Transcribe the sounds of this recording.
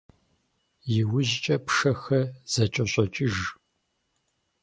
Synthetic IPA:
jɪwʊʑt͡ʃʼɐpʂɐxɐz̥ɐt͡ʃʼɐɕʼɔt͡ʃʼɪʒ

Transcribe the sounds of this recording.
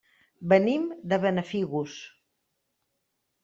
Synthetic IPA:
bənimd̪əβənəfiɣus

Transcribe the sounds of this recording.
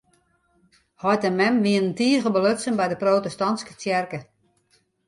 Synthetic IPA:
hɔjtəmɛmʋiənəntiːəɣəbəløtsənbɛjdəproːtɛstɔnskə̥t͡sjɛrkə

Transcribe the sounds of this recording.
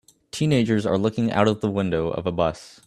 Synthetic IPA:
tʰĩneɪd͡ʒə˞zə̰˞lʊkɪ̃ŋa̰ʊɾʌvðəwɪ̃ndoʊʔʌ̰vəbʌs

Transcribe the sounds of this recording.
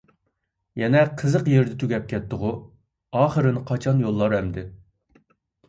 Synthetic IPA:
jɛnɛqʰəzəqjeɾd̪ɛt̪ʰyɡʲɛp̚kʲɛt̪ːʊʁʊ | ɑːχəɾɨnɨqʰɑt͡ʃʰɑnjolˠːɑɾɛmd̪ɪ

